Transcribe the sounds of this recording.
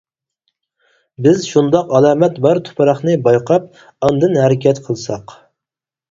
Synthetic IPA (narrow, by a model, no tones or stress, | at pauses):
bɪzʃund̪ɑqɑlˠɑːmɛt̪bɑɾt̪ʰʊ̥pʰɑɾɑχnɨbɑjqʰɑp̚ | ɑnd̪ɨnhɛɾɪkʲɛt̪qʰəlˠsɑq